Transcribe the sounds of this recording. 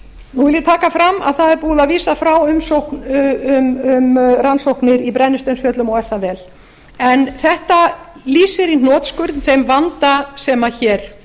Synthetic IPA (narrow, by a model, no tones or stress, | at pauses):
nuvɪljɪt̪ʰaːkafɾamːa̰ðθaðɛɾpuːðaðviːsafɾawʏmsowknʏmʏmransowhknɪɾipɾɛnːɪst̪œnsfjœːt̪lʏmɔɣɛɾ̥θavɛːl | ɛnθɛht̪aliːsɪɾin̥ɔːt̪skʏɾt̪n̥θejmvant̪asɛmaçɛːɾ̥